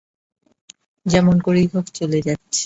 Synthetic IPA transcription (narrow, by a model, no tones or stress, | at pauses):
d͡ʑɛmonkoɾijɦokt͡ɕoled͡ʑatːɕʰe̥